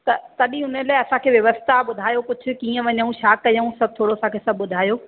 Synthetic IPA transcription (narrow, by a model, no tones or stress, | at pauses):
t̪ɐt̪ɐɗĩʊnəlaːɪɐsãkʰeːʋjɐʋəst̪ʰaɓʊd̪ʱaːjokʊd͡ʑʱʰʊkiːə̃ʋɐɲəũʃaːkːɐjəũsɐb̚ʱt̪ʰoːɽoɐsãkʰeːsɐbʱʊd̪ʱaːjoː